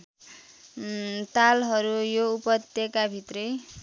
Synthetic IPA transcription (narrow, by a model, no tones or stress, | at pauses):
t̪alɦʌɾujoupʌt̪jekabʱit̪rʌj